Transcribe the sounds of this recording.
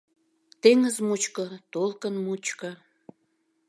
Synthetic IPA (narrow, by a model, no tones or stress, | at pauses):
t̪eŋəzmut͡ɕkət̪olkənmut͡ɕkə